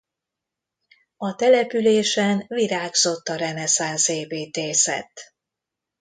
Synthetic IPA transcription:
ɒt̪ɛlɛpyleːʃɛnviɾaːɡzo̞t̪ːɒɾɛnɛsanseːbeːt̪eːsɛ̰t̪ː

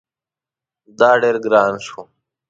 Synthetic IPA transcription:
d̪aːɖeːɾɡɾaːnsu

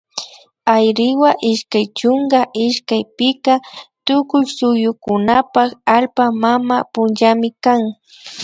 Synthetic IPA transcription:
ajɾɪwaʔɪʃkajt͡ʃʊŋɡaʔɪʃkajpɪkat̪ʊkʊjsʊjʊkʊnapakalpamamapʊnʒamɪkaŋ

